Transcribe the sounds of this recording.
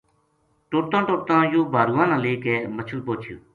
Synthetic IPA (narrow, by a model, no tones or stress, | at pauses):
ʈoʈt̪ãːʈoːʈ̚t̪ãːjoːbʱaːɾuːãːnãːleːkeːmət͡ʃʰuːpoːt͡ʃʰjo̰ː